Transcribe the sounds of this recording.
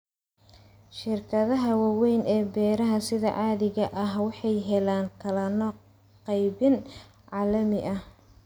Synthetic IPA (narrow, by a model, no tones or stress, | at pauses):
ʃɪrkʰɐðɐɦɐwɑwɛjnɛːbɛːɾɐɦɐsɪðɐ̰ʕɑːðɪɣɐʔɐɦwɑħɑjɦɛlaːŋkʰɐlɐnɔ | qɑjβɪn | ʕɑːlɐmɪʔɐh